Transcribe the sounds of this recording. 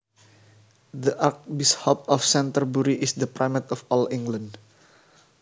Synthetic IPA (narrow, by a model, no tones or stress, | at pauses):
d̪əʔark̚bishɔp̚ɔfsɛ̃nt̪ərbuɾiʔisd̪əpɾajmɛt̪ɔfɔlĩŋɡlãnd